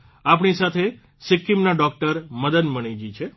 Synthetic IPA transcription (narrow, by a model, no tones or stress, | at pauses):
ap̬ɳisat̪ʰe | sɪkːimnaɖɔk̚ʈəɾməd̪əd̪məɳ̃id͡ʒit͡ʃʰe